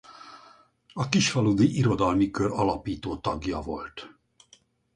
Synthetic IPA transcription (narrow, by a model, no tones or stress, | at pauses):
ɒkiʃfɒlud̪iʔiɾo̞d̪ɒlmikøɾɒlɒpiːt̪oːt̪ɒɡjɒ̰vo̞̰lt̪